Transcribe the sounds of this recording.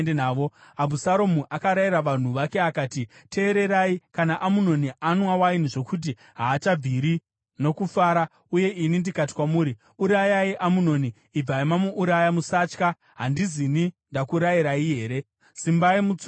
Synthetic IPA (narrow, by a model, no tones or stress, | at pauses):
enaːʋoabusaɾo̞muʔakaɾajiɾaʋan̤uʋake̞akaːtite̞ːɾe̞ɾaikanaʔamuno̞niʔanwawaine̞ʐo̞kut̬i | ɦaːt͡ʃab͡viɾi | no̞kufaːɾa | uje̞ʔinindikat̬i̥kwamuːɾi | uɾajaiʔamuno̞niːb͡vaimamuʔuɾajamusaːt͡ʃka | ɦandizinindakuɾajiɾaiɦe̞ːɾe̞ | simbaimut͡s